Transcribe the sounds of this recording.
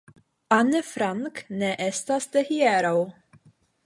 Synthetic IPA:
ɐnːɛfɾɐŋknɛʔɛst̪ɐst̪ɛhjɛːɾɐw

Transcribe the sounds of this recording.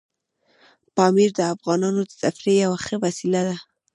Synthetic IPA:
pɑmiɾd̪əafɣɑnɑnod̪əsafɾejawaxəwasilad̪a

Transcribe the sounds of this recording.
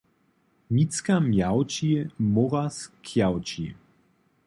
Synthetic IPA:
mit͡skamjawt͡ʃimoʁaskʰjawt͡ʃḭ

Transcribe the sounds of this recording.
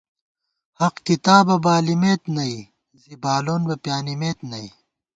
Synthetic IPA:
hɐqkit̪aːbɐbaːlimeːt̪nɐi | zibaːloːnbɐpjaːnimeːt̪nɐi

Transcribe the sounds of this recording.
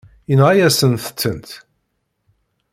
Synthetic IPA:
inʁajæsənθə̥t͡sːənt̪

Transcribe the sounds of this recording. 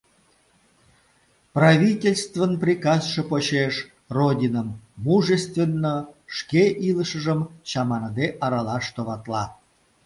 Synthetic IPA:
prɑvʲitʲelʲst̪vənprʲikɑsʃəpoɕeʃ | rodʲinəmːuʒəst̪vʲenːoʂkeʔiləʃəʒəmɕɑmɑnəd̪eʔɑɾɑlɑʃt̪ovɑt̪lɑ

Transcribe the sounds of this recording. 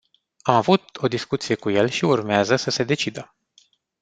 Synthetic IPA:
amavut̪̚o̞d̪iskut̪sije̞kuje̞lʃiurmeazəsəse̞d̪e̞t͡ʃid̪ə

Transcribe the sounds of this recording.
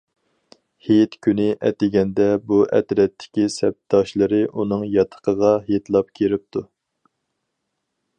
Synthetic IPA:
het̪kʲʰynɪʔɛt̪ɪɡʲɛnd̪ɛbuʔɛ̰t̪ɾɛt̪ʰːɪ̥kʲisɛp̚t̪ːɑʃlˠəɾɨʔunɨŋjɑt̪ʰə̥qʰəʁɑɦet̪lˠɑp̚kʲʰeɾɪp̚t̪ʰu

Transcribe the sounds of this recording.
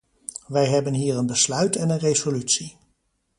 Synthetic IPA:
ʋɛjɦɛbənɦiːɹənbəslœɥtɛnənrezolytsi

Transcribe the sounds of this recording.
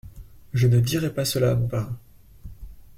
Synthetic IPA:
ʒənəd̪iʁɛpasəlaːmɔ̃paʁ

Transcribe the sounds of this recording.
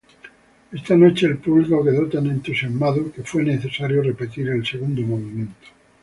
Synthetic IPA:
e̞st̪ano̞t͡ʃeːlpuβliɣakeðot̪anẽnt̪usjazmaðoke̞fwe̞neθe̞saɾjore̞pe̞t̪iɾe̞lse̞ɣ̞und̪omoβimjẽ̞nt̪o̥

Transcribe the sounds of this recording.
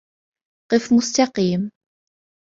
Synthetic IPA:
qəfmʊst̪ɑqim

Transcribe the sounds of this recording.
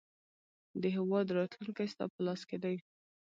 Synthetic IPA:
d̪əɦɪwɑd̪ɾɑt̪luŋkajst̪ɑ̰pəlɑsked̪aj

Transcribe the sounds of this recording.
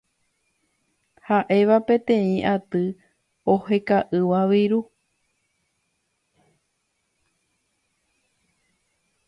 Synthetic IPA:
haʔe̞ʋapẽ̞t̪ẽ̞ĩʔat̪ɨ | ohe̞kaʔɨʋaʋiɾu

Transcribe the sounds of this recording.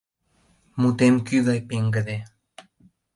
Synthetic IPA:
mut̪emkyðɑjpeŋɡəd̪e

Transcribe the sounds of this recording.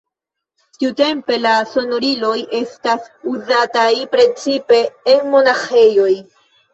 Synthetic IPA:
tiute̞mpe̞laso̞no̞ɾilo̞je̞stas | uzatajpɾe̞t͡sipe̞ːnmo̞naxe̞jo̞j

